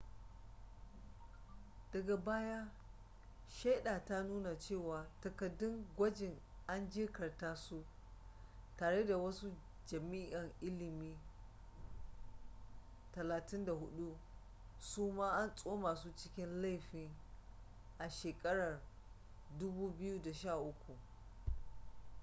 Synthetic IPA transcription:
d̥ɐ˨ɡa˨baː˦ja˦ | ʃa˦ɗaː˨ta˦nuː˦na˨t͡ʃeː˦˨waː˨tɐ˨kɐ˨dːʊ˦ŋɡʷɐ˦d͡ʒɪ˨ŋ | ʔa˦nd͡ʒɪ˦kɐ˨rtaː˦su˦ʔ | taː˨ɽe˦da˨wɐ˦su˦ | d͡ʒɐ˨miː˦ʔɐ˨ŋʔɪ˦lɪ˨miː˦ | tɐ˨laː˨tɪ˦nda˨ɦʊ˦ɗu˦ | suː˦maː˦ʔa˦nsʼoː˦maː˨su˦t͡ʃɪ˦kʲɪ˦nla˦˨jɸiː˦ | ʔa˨ʃeː˨kʼɐ˦ɽɐ˨r | dʊ˦buː˦bɪ˦ju˦da˨ʃaː˦˨ʔʊ˦kʷu˨ʔ

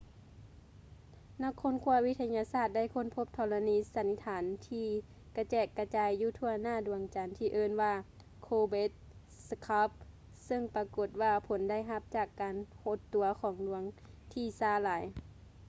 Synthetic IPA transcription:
na˧˩kʰːo˧˥˨nkʰu˧˥˧ɐwi˧˥t̪ʰa˧ɲaː˧saː˧˩t̪̚da˥˨jkʰo˧˥˨npʰo˧˦p̚t̪ʰɔː˧˩la˧niː˧˥sa˨˧˦nːi˧˥t̪ʰaː˨˦nt̪ʰiː˧ | ka˧˩t͡ɕɛː˧˩kːa˧t͡ɕaː˨˧jːuː˧t̪ʰu˧ɐnaː˧˩˨du˨˦əŋt͡ɕa˨˦nt̪ʰiː˧˨ʔɤː˧˨nwaː˧ | kʰoː˧be˧˦t̪̚ | skʰa˧˥p̚ | sɤ˧˨ŋpa˧ko˧˩t̪̚waː˧pʰo˨˦nda˥˩˨jɦa˧˥p̚t͡ɕaː˨˩kːaː˨nho˧˦t̪ːu˨˦ɐkʰɔː˨˦ŋlu˧˦ɐəŋ | t̪ʰiː˧˩saː˧˩laː˨˦j

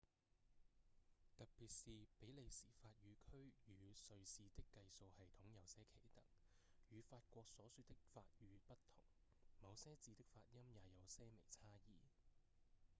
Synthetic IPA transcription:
t̪ɐ˨t̚piː˨t̚siː˧pe˨˥jle˨˧jsiː˨˩faː˧t̚jyː˨˧˥kʰɵ˥ɥjyː˨˧sɵ˧ɥsiː˧t̪ɪ˥kːɐ˧jso˨˧whɐ˨jt̪ʰʊ˨˥ŋjɐ˨˧wsɛː˥kʰe˨˩jt̪ɐ̰˨˩ŋ | jyː˨˧faː˧t̚kʷɔː˧ksɔː˨˥syː˧t̪̚ɪ˥k̚fa̰ː˧t̚jyː˨˧pɐ˥tt̪ʰʊ˨˩ŋmɐ˨˧wsɛː˥t͡siː˧t̪ɪ˥k̚faː˧t̚jɐ˥mjaː˨˧jɐ˨˧wsɛː˥mḛ˨˩jt͡sʰaː˥jiː˨˩

